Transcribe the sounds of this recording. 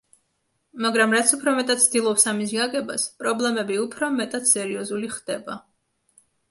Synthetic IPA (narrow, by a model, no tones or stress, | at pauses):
maɡɾamɾat̪sʰupʰɾɔmɛt̪ʼat̪̚tsʰd̪ilˠɔpsamis̬ɡaɡɛba̰spʼɾɔblɛmɛbiupʰɾɔmɛt̪ʼat̪sɛɾiɔzuliχd̪̥ɛba̰